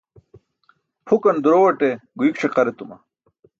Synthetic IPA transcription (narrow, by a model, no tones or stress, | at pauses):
pʰukɐnd̪uɾowɐʈeɡuikʂʰeqɐɾet̪umɐ̰